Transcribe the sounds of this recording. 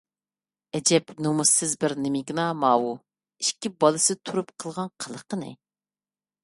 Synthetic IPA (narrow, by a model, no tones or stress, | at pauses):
ɛd͡ʒɛpnomusːɪzbɪɾnɪmɪɡʲnɑmɑːwu | iʃkʲibɑlˠɨsɨt̪ʰuɾupqʰəlˠʁɑnqʰəlˠəqənɪ̰